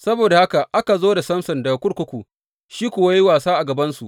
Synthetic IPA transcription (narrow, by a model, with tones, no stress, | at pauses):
sɐ˦boː˨da˨ha˦ka˨ʔa˦ka˨zoː˦da˨sɐ˦msɐ˨nda˨kʷʊ˦ɽkʷʊ˦kʷu˨ | ʃiː˦kʷʊ˨wa˦jwaː˨saː˦ʔa˨ɡɐ˨bɐ˦nsu˨ʔ